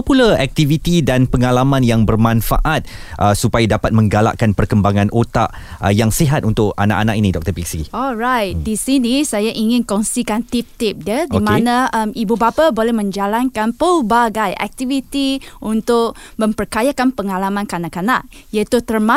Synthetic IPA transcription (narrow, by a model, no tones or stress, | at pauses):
pulaɛk̚t̪ivit̪idanpəŋalamãnjaŋbərmãnfa̰ʔat̪̚ʔəsupajadapat̪̚mə̃ŋɡala̰ʔkanpərkəmbaŋãnʔot̪a̰ʔ | jaŋsiɦat̪̚unt̪ʊk̚a̰naʔana̰kinidɔk̚t̪əpiksiɔlrajt̪̚disinisajaʔiŋɪ̃nkɔnsikant̪ip̚t̪ɪp̚dədimãnaəmibubapabolɛhmə̃ɲd͡ʒalankanpəlbaɡajʔɛ̰k̚t̪ivit̪iunt̪ʊk̚ | mə̃mpərkajakanpəŋalamãnkanakanaʔ | jait̪ut̪ərma